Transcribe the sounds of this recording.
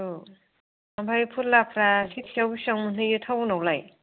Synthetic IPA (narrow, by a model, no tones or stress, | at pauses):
u | ambʰajpʰuɾlapʰɾasitʰijawɡisaŋmɯnɯjɯtʰawnawlaj